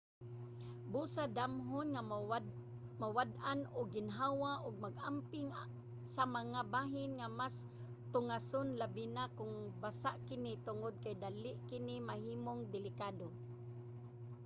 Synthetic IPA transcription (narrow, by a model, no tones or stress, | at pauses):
busad̪amɦʊnŋa | mawad̪ʔanʊɡːɪnɦawaʔʊɡ̚maɡʔampɪŋ | samaŋabaːɦɪnŋamas | t̪ʊŋasʊnlabɪnakʊŋbasaʔkɪnɪt̪ʊŋod̪̚kajd̪alɪʔkɪnɪmaɦiːmoŋd̪ɪlɪkaːd̪o